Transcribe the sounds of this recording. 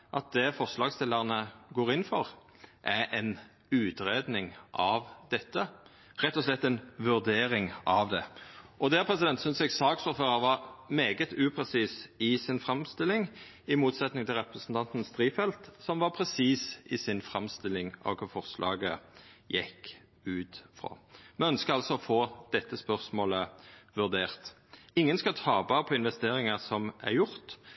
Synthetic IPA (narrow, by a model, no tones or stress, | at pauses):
ʔɑt̪̚d̪ɛfɔʁslɑːɡst̪ɪlːəʁnəɡoːɾɪnfɔʁ | ʔæʔɛn | ʉːt̪ɾeːd̪nɪŋʔɑʋd̪̥ɛt̪ːə | ɾɛt̪ːɔslɛt̪ːɛnʋʉɾd̪eːɾɪŋɑʋd̪ɛɔd̪æːpʰʁɛsɪd̪ɛnt̪sʏnsjɛɡsɑːksfɔʁføːɾəɾʋɑɾmeːɡət̪ʉːpʰɾɛsiːsɪsɪnfɾɑmst̪ɪlːɪŋ | ɪmuːt̪sɛt̪nɪŋt̪ʰɪlʁɛpɾəsn̩t̪ʰɑnt̪n̩st̪ɾiːfɛlt̪sɔmʋɑʁpʰɾɛsiːsɪsɪnfʁɑmst̪ɪlːɪŋɑ̰ʋkʰʊɾfɔʁslʔɑ̰ːɡəjɛkː | ʉːt̪fʁɑ̰ːmɛœnskəɾɑlsɔɔfoːd̪̥ɛt̪ːəspœʁsmoːləʋʉʁd̪eːʁt̪ | ɪŋːənskɑt̪ʰɑːbɑpʰɔɪnʋɛst̪eːɾɪŋɑsɔmæ̰ɾjʊʁt̪